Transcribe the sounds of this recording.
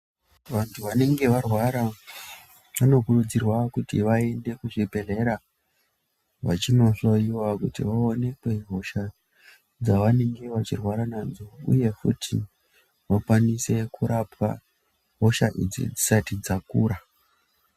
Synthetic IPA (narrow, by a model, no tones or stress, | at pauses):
ʋantʰuʋane̞ŋɡe̞ʋarwaɾa | ʋano̞kurud͡zirwakutiʋae̞nde̞kuʐibʱe̞ɮe̞ɾa | ʋat͡ʃino̞ɬo̞jiwakutḭʋaone̞kwe̞ɦo̞ʃa | d͡zaʋane̞ŋɡe̞ʋat͡ʃirwaɾananzoṵje̞futʰḭ | ʋakwanise̞kʰuɾʔapʰa̰ | ɦoʃaʔḭd͡zḭd͡zisatid͡zakuːɾa